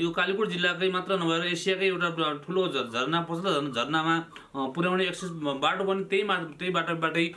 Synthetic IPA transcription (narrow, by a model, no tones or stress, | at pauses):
jokalikuɽd͡zilːakajmat̪rʌnubʱʌeɾʌesijakajewʈaʈʰulod͡zʱʌrnapʌslʌʌnd͡zʱʌrnama | puɾjawneeksesbaʈopʌnit̪jʌjmat̪ʌjbaʈʌbaʈʌj